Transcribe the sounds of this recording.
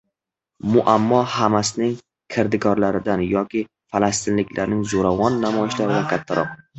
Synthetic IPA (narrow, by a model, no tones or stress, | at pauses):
mʊʔamːɒhamasɪnɪŋ | kʰɪɾd̪ɪɡɒɾlaɾɪd̪anjɒkʲɪ | falast̪ɪnlɪkʲlaɾnɪŋzoɾavɒnːamɒjɪʃlaɾɪd̪akʲʰat̪ʰːaɾɒ̰q̚